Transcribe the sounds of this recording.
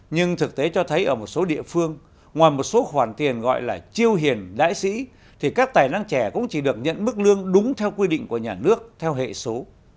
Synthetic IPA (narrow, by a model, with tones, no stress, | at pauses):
ɲɨ˧ŋt̪ʰɨ˨˩k̚t̪e˨˦t͡ɕɔ˧t̪ʰə˨˦jʔəː˧˩mo˨˩t̚so˨˦ɗḭ˧˨əfɨ˧əŋ | ŋwaː˨˩jmo˨˩t̚so˨˦xwaː˧˩nt̪i˨˩ənɣɔ̰˧˨jlaː˨˩t͡ɕi˧əwɦi˨˩ənɗa̰ː˧˥jsḭ˧˥ | t̪ʰi˨˩kaː˦˥k̚t̪aː˨˩jna˧ŋt͡ɕɛ˧˩kʊ̰˧˥ŋ͡mt͡ɕi˧˩ɗɨ˨˩ək̚ɲə̰˧˨nmɨ˦˥k̚lɨ˧əŋɗʊ˨˦ŋ͡mt̪ʰɛ˧wkwi˧ɗḭ˧˨ŋ̟ku˧˩əɲaː˨˩nɨ˦˥ək̚t̪ʰɛ˧wɦḛ˧˨so˨˦